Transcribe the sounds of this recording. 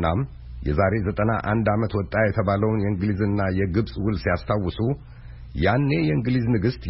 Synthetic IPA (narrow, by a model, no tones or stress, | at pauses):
am | jɛ̰zaɾe̞zət̪ʼənaʔand̪amət̪wɔt̪ʼːajɛt̪ʰəβaləwnjɛɨŋɡɨlizɨnːajɛɡɨβsʼwʊlsijast̪ʰawɨsu | janːe̞jɛɨŋɡliznɨɡɨst̪